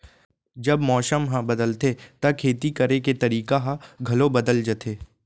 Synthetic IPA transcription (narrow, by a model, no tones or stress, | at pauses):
d͡ʒɐbmɔːʃəmɦãbɐd̪əlt̪et̪ɐkʰeːt̪ikɐɾeket̪ɐɾiːkaɦãɡʱɐlõbɐd̪əld͡ʒɐt̪ʰeː